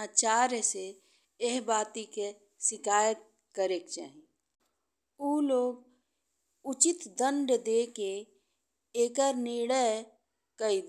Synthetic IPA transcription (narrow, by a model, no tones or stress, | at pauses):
at͡ʃaːɾjse | eɦbaːt̪ike | sɪkaːjət̪̚ | kəɾeːkt͡ʃa̰ːɦi | uːloːɡ | ʊt͡ʃɪt̪d̪ə̃ɳɖd̪eːke | eːkəɾnɪɽəj | kəid̪